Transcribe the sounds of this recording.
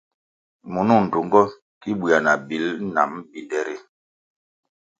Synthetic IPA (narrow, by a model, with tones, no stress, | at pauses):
mu˨nu˦˨n̩˨du˨ŋɡɔ˦ | ki˦ɓu˨a˨na˨bi˨˦lna̰˨mbi˨dɛ˦ɾi˦